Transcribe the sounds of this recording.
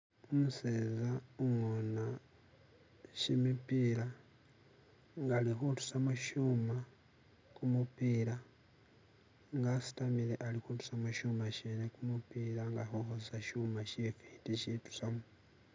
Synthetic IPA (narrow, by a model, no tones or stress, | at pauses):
umusezauŋona | ʃimipiːɾa | ŋɡalixutu̥samuʃuma | kumupiːɾa | ŋɡasi̥tamile̞ʔalixutu̥samuʃumaʃeːnekumupiɾaŋɡaxoxossaʃuːmaʃifitiʃitu̥samu